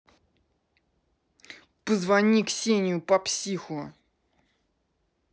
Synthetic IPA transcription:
pəzvɐnʲiksʲenʲɪjʊpɐpsʲixʊ

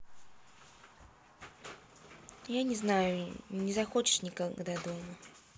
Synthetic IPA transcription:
janʲɪznajʊnʲɪzaxɔt͡ʃɪ̥ʂnʲɪkad̪ad̪ɔmɐ

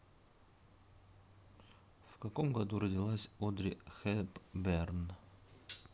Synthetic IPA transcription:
fkɐko̞mɡɐd̪uɾədʲɪlˠasʲod̪ɾʲɪxepbɛrn

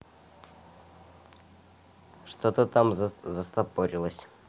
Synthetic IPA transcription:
ʂt̪ot̪ət̪amzzɐst̪apoɾʲilˠəsʲ

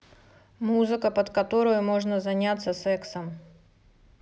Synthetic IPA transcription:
muzɨkəpət̪kɐt̪o̞ɾʊjʊmo̞ʐnəzɐnʲat̪sːəsɛksəm

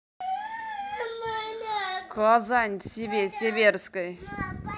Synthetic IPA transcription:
kʰazanʲt̪sʲebʲesʲebʲeɾskəj

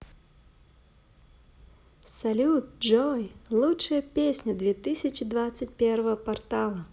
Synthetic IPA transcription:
sɐlʲut̪̚d͡ʒɔjlˠutʂɨjəpʲesʲnʲəd̪vʲet̪ɨsʲɪt͡ɕɪd̪vat̪sɨt̚ʲpʲervəvəpɐrt̪alˠə

